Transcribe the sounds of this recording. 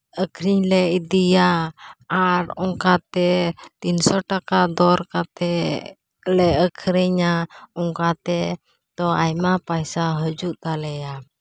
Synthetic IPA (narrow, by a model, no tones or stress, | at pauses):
əkʰɾiɲlɛʔid̪ijaː | ɾɔŋkat̪ɛt̪insɔʈakad̪ɔɾkat̪ɛ | lɛəkʰɾiɲaɔŋkat̪ɛ | t̪ɔajmapajsaɦəd͡ʒuʔt̪alɛja